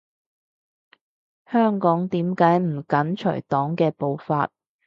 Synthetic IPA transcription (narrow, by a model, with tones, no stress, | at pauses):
hœː˥ŋkɔː˨˥ŋt̪iː˨˥mkaː˨˥jm̩˨˩kɐ˨˥nt͡ʃʰɵ̰˨˩jt̪ɔː˨˥ŋkɛː˧po˨˧wfaː˧t̚